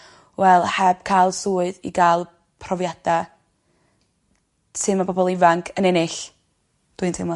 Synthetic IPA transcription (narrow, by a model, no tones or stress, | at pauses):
wɛlˠhɛb̥̚kʰajlˠsuːɨðḭɡalˠ | pʰrɔvjad̥a | sɨmabɔbɔlˠɪvaŋkʰənɛnɪɬ | d̥wɨntʰɪmɔ